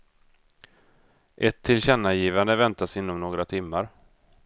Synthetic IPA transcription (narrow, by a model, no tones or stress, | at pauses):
ʔɛt̪ʰːɪlɕɛnːajiːvand̪əvɛnt̪asɪnːɔmnoːɡɾat̪ʰɪmːaɾ